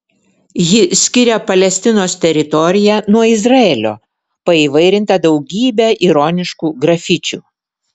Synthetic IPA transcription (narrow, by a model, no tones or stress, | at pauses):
jɪsʲkʲɪɾʲɛpɐlʲɛsʲt̪ʲɪnoːst̪ʲɛɾʲɪt̪ɔɾʲɪjænuɔɪzɾɐeːlʲo̰ː | pɐiːʋɐɪɾʲɪnt̪ɐd̪ɒʊɡʲiːbʲæʔiɾɔnʲɪʃkuːɡɾɐfʲɪt͡ʃʲṵː